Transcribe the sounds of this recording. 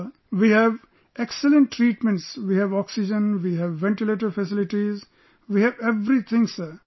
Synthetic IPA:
ʋihɛʋ | eksələ̃ɳʈʈːɾiːʈmɛ̃ɳʈsʋiːhɛʋɔːksɪd͡ʒə̃nʋiːɦæʋːɛ̃ɳʈileːʈ̬əɾfɛsɪlɪʈiz | ʋiːhɛʋeʋɾit̪ʰɪ̃ŋsə

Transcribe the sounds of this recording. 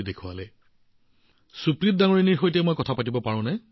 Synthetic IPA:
idekʰuwalɛ | supɹit̚daŋoɹiniɹxojtɛmojkɔtʰapatibɔpaɹʊ̃nɛ

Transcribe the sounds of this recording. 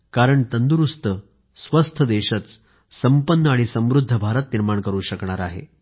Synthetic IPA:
kaɾəɳt̪ənd̪uɾust̪ʰə | sʋəst̪ʰəd̪eɕət͡s | səmpənːəaɽ̃isə̃mʋɾud̪ʱːəbʱaɾət̪niɾmaɳkəɾuːɕəkɳaɾaɦḛ

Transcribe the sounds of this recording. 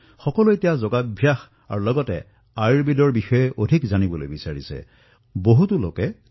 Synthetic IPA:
xɔkɔlojtɛjazɔɡabʱjax | a̰ɹulɔɡɔtɛ̰ | ajɹbidɔɹbixɔjɛʔodʱikzanibɔlo̰jbisaɹisɛ̰ | boɦutulo̰kɛ

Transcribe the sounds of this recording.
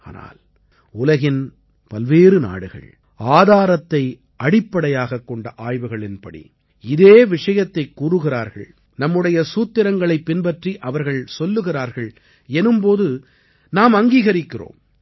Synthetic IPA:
aːna̰ːl | ʊlɐɣɪn | pɐlʋeːrɯna̰ːɽɯɣɐ̰ɭ | aːðaːɾɐt̪ːɐɪ | ɐɽɪpːɐɽɐjaːɣɐkːɔɳɖɐʔaːjʋɯɣɐɭɪnpɐɽḭ | ɪðeːʋɪʂɐjɐt̪ːɐɪkːuːɾɯɣɪɾaːɾɣɐ̰ɭ | nɐmːɯɽɐjɐsuːt̪ːɪɾɐŋɡɐɭɐɪpːɪnbɐʈriʔɐʋɐɾɣɐɭsɔlːɯɣɪɾaːɾɣɐɭ | ɛnɯmpoːðɯ | naːmɐŋɡiːɣɐɾɪkːɪro̰ːm

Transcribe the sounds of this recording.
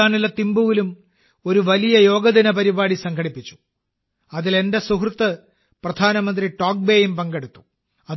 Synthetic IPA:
aːnilːɐt̪imbuʋilum | o̞ɾuʋɐlijɐjo̞ːɡɐðinɐpɐɾibaːɽisɐŋkʰɐɽipːit͡ɕːu̥ | ɐðile̞nde̞suɦrut̪ːɐ | prɐd̪ʱaːnɐmɐnd̪riʈoːk̚be̞ːjumpɐŋɡeɽut̪ːu̥ | ɐ

